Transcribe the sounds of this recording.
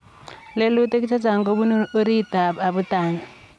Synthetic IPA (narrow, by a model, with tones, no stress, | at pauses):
le˦lu˦te˦ki˦t͡ʃʰa˦t͡sa˨ŋɡo˦βu˦no˦ɾi˦˨ta˨a˨βutaː˨ŋa